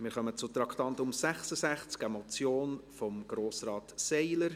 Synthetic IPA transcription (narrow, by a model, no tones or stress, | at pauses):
mɪːɾχœmət͡sʊt̪ɾɑkʰt̪ɑnt̪ʊmsæχsəsæχt͡skɛmɔt͡sjoːnfɔmɡ̥ɾoːsrɑːtsɛɪləɾ